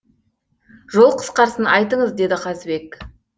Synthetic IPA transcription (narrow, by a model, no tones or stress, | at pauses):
ʒo̞lˠqʰə̥sqɑɾsənɑjt̪əɴəzd̪e̞d̪ɪqʰɑzbe̞k